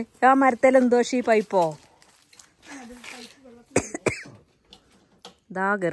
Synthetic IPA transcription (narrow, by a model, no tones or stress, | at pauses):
jaːmɐɾɐt̪ːelend̪oːʂipɐjpːoː | d̪aːɡɐɾ